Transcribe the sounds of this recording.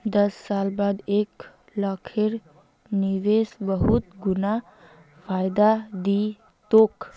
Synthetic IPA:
d̪əsːalbad̪ek | ləkʰeɾ | niʋesbəɦut̪ɡuna | pʰajd̪ad̪i | t̪ok

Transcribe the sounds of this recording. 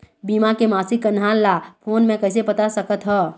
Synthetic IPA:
biːmakemaːsikːənaːllaːpʰoːnmẽkɐɪs̬epɐt̪asɐkət̪ɦɛː

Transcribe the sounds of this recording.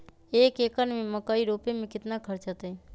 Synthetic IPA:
eːkeːkənmẽmɐkaiɾoːpemẽkɪt̪nakʰɐɾt͡ʃət̪ɛ

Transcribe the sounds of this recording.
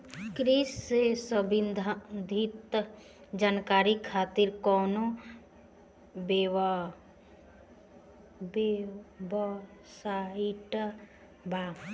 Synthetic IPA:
kɾissesəbind̪ʱad̪ʱit̪ | d͡ʒaːnkaːɾikʰaːt̪iɾkɔːno | beʋ | bebəsaiʈ | bʱa

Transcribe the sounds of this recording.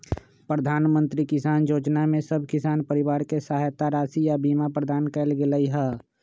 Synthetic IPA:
pɾəd̪ʱaːnmə̃nt̪ɾikɪsaːnjoːd͡ʒnamẽsəbʱkɪsaːnpəɾɪʋaːɾkesəɦajt̪aɾaːsijabiːmapɾəd̪ʱaːnkɛːlɡelaiɦɛː

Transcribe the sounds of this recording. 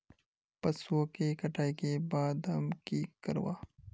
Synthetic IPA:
pɐswoːkeːkɐʈʰaːikebaːd̪ɦɐmkiːkːəɾwa̰ː

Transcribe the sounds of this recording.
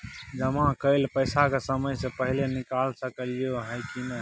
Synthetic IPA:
d͡ʒəmãkəɪlpəjsakesəməjsẽpəɦilenikalsəkəlioɦajkinə

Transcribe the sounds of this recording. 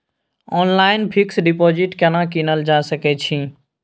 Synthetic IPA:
ɔnlaɪnpʰiksɖipɔd͡ʒiʈkanakinəld͡ʒasəkɛt͡ʃʰĩ

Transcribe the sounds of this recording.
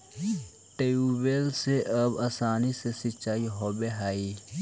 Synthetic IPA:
ʈeubeːlseʔɐbaːsaːnisesɪt͡ʃaːiɦobeɦaːi

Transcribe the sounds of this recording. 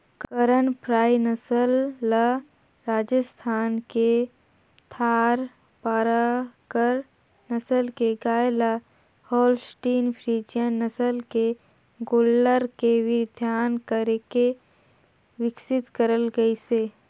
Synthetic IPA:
kkəɾənpʰɾaːinəsəlːa | ɾaːd͡ʒəst̪ʰaːnke | t̪ʰaːɾ | paːɾakəɾ | nəsəlkeɡaːela | hɔːlsʈiːnpʰɾiːd͡ʒjənːəsəlke | ɡoːlːəɾkeʋɪd̪ʱjaːnkəɾeke | ʋɪksɪt̪kəɾəlɡəiseː

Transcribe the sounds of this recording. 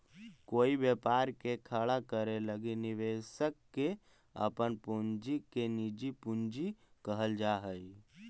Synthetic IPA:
koːibjepaɾkekʰəɭakəɾeləɡiniʋesəkːe | ə̰pənpund͡ʒikenid͡ʒipund͡ʒikəɦəld͡ʒaɦəj

